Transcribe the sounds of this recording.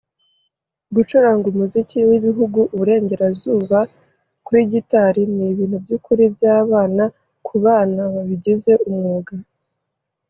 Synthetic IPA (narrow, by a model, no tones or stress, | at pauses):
ɡut͡ʃuɾaŋɡumuziciwiβiɦuɡuʔuβuɾe̞ːɲɟe̞ɾazuːβa | kuɾiɟitaɾiniβiːn̥hubjukuɾibjaːβaːna | kʰuβaːnaβaβiɟeze̞ʔumŋuːɡa